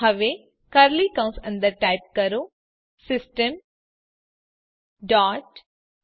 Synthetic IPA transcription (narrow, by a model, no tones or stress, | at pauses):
ɐʋe | kɐɾlikɐ̃w̃sɐ̃nd̪əɾʈaːjp̚kɐɾo | sɪsʈəm | ɖaːʈ